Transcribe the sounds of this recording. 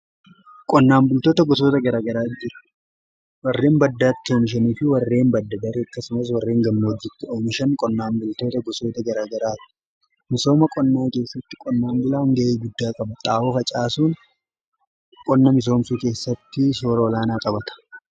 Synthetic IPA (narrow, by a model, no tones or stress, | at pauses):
kʼɔnːaːmbʊlt̪oːt̪ɐɡɔsoːt̪ɐɡɐɾaːɡɐɾaːd͡ʒɪɾɐ̥ | wɐrːe̞ːmbɐd̪ːaːt̪ːɪo̞ːmɪʃ̬ɐniːfɪwɐrːe̞ːmbɐd̪ːɐd̪ɐɾɐkːɐsʊmɐs̬wɐrːe̞ːŋɡɐmːoɔd͡ʒːɪt̪ːɪoːmɪʃɐŋkʼɔnːaːmbʊlt̪o̞ːt̪ɐɡɔso̞ːt̪ɐɡɐɾaːɡɐɾaːt̪ɪ̥ | mɪso̞ːmɐkʼɔnːaːke̞ːsːɐt̪ːɪ̥kʼɔnːaːŋɡʊlaːŋɡɐʔeːɡʊd̪ːaːkʼɐbt̪ʼaːʔofɐt͡ʃʼaːsuːn | kʼɔnːɐmɪs̬o̞ːmsuːke̞ːsːɐt̪ːɪso̞ːɾɐɔlaːnaːkʼɐbɐt̪ɐ̥